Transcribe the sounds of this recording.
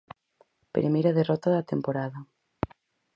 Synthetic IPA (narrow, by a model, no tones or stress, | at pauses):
pɾʔemejɾɐðerɔt̪aðɐt̪empoɾaðɐ